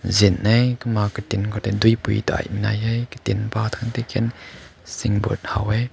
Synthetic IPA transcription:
zinːɛjkəmakət̪inkʰɔt̪ɛd̪ujpṵjt̪oʔa̰jmina̰jɛjkə̥t̪inpat̪ʰant̪ɛkʰɛnsɪŋbṵt̪̚hɐ̰wɛj

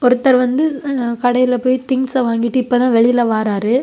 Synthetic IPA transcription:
ɔɾɯt̪ːɐɾʋɐnd̪ɯkɐɽɐjɪlɐpoːjt̪ɪŋsɐʋaːŋɡɪʈːɯɪpːoːt̪ãːʋɛɭɪjɪlɐʋaːɾaːɾɯ

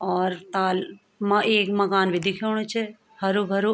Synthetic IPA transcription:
ɔːɾt̪aːl | mãʔeːkmɐkaːnʋɪd̪ʱikʰoɳ̃ũt͡ʃʰe | hɐɾubʱəɾu

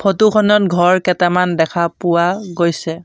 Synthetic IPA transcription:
pʰotukʰɔnɔt̚ɡʱɔɹkɛtamandɛkʰapʊwaɡojsɛ

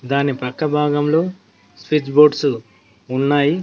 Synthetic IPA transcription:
d̪aːnipɐkːɐbʱaːɡɐmlo̞ː | spid͡ʒboːɖsu | unːaːji

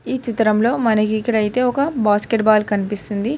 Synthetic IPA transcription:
iːt͡ʃit̪ɾɐmlo̞ːmɐnɐkikːɐɽɐjit̪e̞ːɔkɐbaːskeʈbaːlkɐnipist̪und̪i

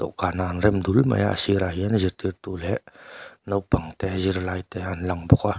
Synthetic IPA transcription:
tɔ̰ʔkananɾɛmd̪ulma̰ja̰asiɾajanziɾtiɾtulɛʔnowpaŋtɛziɾlajteanlaŋbɔka

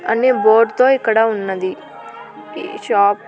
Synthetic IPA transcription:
ə̰neːboːɾɖt̪õːiːkəɽaːʊnːãːd̪iː | ʃaːp

